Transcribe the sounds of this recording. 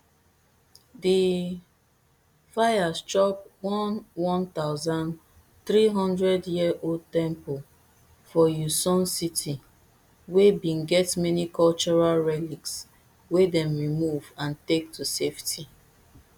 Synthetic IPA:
di | fajast͡ʃɔp̚wɔ̃nwɔ̃nt̪aʊzãn | θɹiɦɔ̃ndɹɛdjiəʔoldtɛ̃mpul | fɔjusɔ̃nsitʰi | webĩnɡɛtmɛnikɔlt͡ʃɔɹalɹɛliks | wedɛ̃mɹimuvãntek̚tʰuseftʰi

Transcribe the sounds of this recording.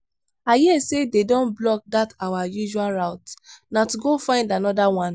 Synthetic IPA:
ajɛesededɔ̃nblɔk̚datawajuʒualɹaʊtnatuɡofãɪ̃ndanɔdawãn

